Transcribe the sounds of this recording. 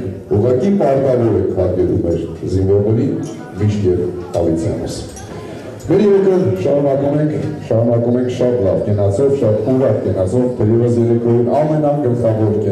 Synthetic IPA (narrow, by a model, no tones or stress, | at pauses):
uʁɑkipɑɾt̪ɑɾɔɾɛk̪ʰvɑɡɛɾṵmɛɾzinvɔɾnɛɾin | miʃt̪jɛvɑlit͡sʰɛ̰nɔ̰s | mɛɾjɛɾɛkʰɛvʃɑɾunɑkumɛŋkʰʃɑɾunɑkumɛŋkʰʃɑt̪lɑvkɛnɑt͡sɔvʃɑt̪uɾɑkkɛnɑt͡sɔvt̪ʰɛɾjɛvəsjɛɾɛkʰvɔɾunɑmɛnɑɡəlχɑvɔɾkɛ